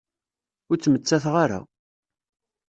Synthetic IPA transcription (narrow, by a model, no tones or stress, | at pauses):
ʊɾt͡sːmət͡sːæθʁaɾa̰